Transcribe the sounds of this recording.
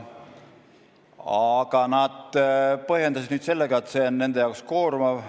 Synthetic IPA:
ɑɡ̥ɑnɑd̪̥pɤɦje̞nd̪ɑs̬id̪nyːd̪se̞lːeɡ̥ɑet̪ːse̞onːe̞nd̪ejɑwksko̞ːɾmɑv

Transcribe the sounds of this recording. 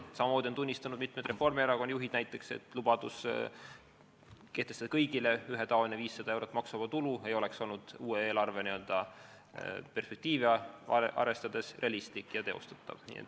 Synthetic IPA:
sɑmɑmoːd̪iont̪unʲːist̪ɑnud̪̥mit̪̚ːˑme̞jd̪re̞fo̞rmieɾɑko̞njuɦid̪̥næjt̪ːˑe̞kse̞̰t̪ˑlub̥ɑd̪̥us | ke̞ht̪e̞st̪ɑd̪ɑkɤjɡ̥ile̞yɦet̪ɑoneviːsːɑd̪̥ɑe̞wɾo̞t̪ːˑmɑksumɑt̪ulue̞jo̞le̞ksolnud̪̥uːeeːlɑrve̞niø̞ld̪̥ɑ | pe̞rspek̚t̪iːviɑɑʔɑ̰ɾe̞st̪ɑd̪̥e̞srʔe̞ɑlist̪ikːˑjɑt̪e̞o̰st̪ɑ̥t̪ːˑɑ̰vnḭːḛt̪

